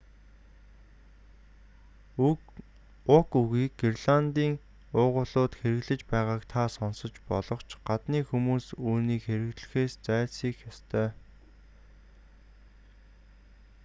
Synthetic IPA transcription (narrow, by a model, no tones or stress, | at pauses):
ʊkuɣiːkɡirɮant̪iːŋ | ʊːʁʊːɮʊːt̪xeɾɘ̆ɣɮɘ̆t͡ɕpæːʁaːkt̪ʰasɔnsɞ̆t͡ɕpɔɮɞ̆χt͡ɕʰɢ̥at̪niːxumuːsuːniːkxeɾɘ̆ɣt̪ɮɘ̆xeːst͡sæːɮsiːkjɔst̪ʰœː